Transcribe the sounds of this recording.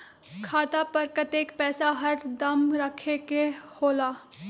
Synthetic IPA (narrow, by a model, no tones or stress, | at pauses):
kʰaːt̪apəɾkət̪eːkpɛːsaɦɐʈd̪ɐmɾəkʰekehoːlaː